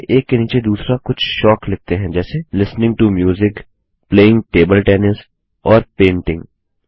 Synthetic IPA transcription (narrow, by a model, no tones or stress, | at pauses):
ʔeːkːeniːt͡ʃed̪uːsɾakʊt͡ʃʰʃɔːklɪk̚t̪eɦɛ̃d͡ʒɛːselɪsnɪ̃ŋɡ̚ʈumjuːzɪk | pleːɪ̃ŋɡʈeːbəlʈɛːnɪs | ɔːɾpẽːɳʈɪ̃ŋɡ